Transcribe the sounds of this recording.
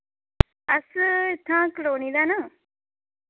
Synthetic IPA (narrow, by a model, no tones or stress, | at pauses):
ɐst̪ʰãːklonid̪anaŋ